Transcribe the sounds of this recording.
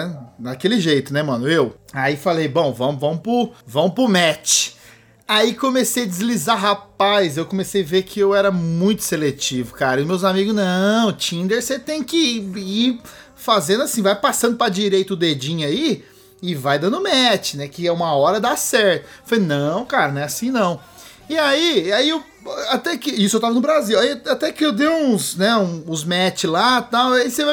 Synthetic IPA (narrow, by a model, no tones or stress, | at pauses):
ɛd̪akelɪʒejt̪ʊnɛmɐ̃nʊewaifalejbõw̃vɐ̃mʊvɐ̃mʊpɾʊvɐ̃mʊpɾʊmɛt͡ʃɪ̥ | aikõmesejɐd͡ʒɪzlizaɦapajzewkõmesejaveɾkʰɪewɛɾɐmũj̃t̪ʊ̥selet͡ʃivʊkaɾɐʊmewzamiɡʊznɐ̃w̃t͡ʃĩnd̪eɾset̪ẽj̃kɪi | fazẽnd̪ʊasĩvajpasɐ̃nd̪ʊpɾɐd͡ʒiɾejt̪ɐʊd̪ed͡ʒĩɲai | ɪvajd̪ɐ̃nd̪ʊmɛt͡ʃɪnɛkɪɛũmɐɔɾɐd̪asɛɾt̪ʊfolenɐ̃w̃kaɾɐñɛasĩnɐ̃w̃ | ɪaiaiew | at̪ɛkɪisʊewt̪avɐnʊbɾaziwaiat̪ɛkɪewd̪ẽũsnɛũːzmɛt͡ʃɪlat̪awaiseva